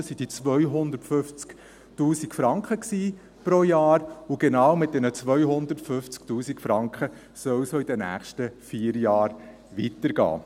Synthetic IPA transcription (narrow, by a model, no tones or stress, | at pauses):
sid̥it͡sʋœʏɦʊndətfɵft͡sk | tuːsikfɾɑŋkχəksiː | pɾojɑːɾuɡ̥enɑːwmɪt̚d̥ɛnət͡sʋœʏɦʊnd̪əɾtfɵft͡sktuːsikfɾɑŋkχə | sœwsoid̥ənæ̰ːχʃtəfiːɾjɑːɾ | ʋitəɾɡɑ̰ː